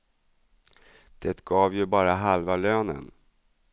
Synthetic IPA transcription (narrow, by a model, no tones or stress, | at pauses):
d̪̥ɛt̪ɡɑːvjɵbɑːɾaɦalvaløːnə̰n